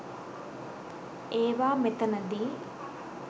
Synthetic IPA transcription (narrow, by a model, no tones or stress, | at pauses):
eːʋaːmet̪ɐnɐd̪i